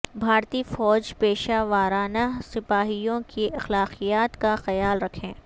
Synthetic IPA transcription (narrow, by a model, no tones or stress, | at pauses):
bʱaːɾt̪ifɔːd͡ʒpeːʃaʋaːɾaːnasɪpaːɦijõkiɐxlaːqijaːt̪kaxɐjaːlɾɐkʰẽː